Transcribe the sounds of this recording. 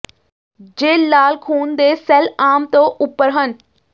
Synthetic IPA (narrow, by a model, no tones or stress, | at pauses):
d͡ʑeːlːaːlkʰuːnd̪eːsɛlaːmt̪oʔʊpːəɾɦən̆